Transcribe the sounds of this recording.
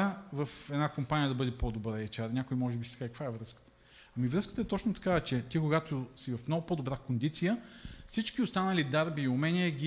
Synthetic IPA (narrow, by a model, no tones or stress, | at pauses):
vɐfɛd̪nakompanijəd̪ɐbɤd̪ɛpod̪obɾɛt͡ʃaɾnʲakʊjmɔʒɛbisɛɡakkvaɛvɾɤskə̥t̪ə̥ | ɐmivɾɤskət̪əɛt̪ɔt͡ʃnot̪ɐ̥kavɛt͡ʃɛt̪ikʊɡat̪osivɐfmnoɡʊpod̪obɾakond̪it̪sijəfsit͡ʃkʲiʊst̪anəlid̪aɾbiːʊmɛniɛɡʲi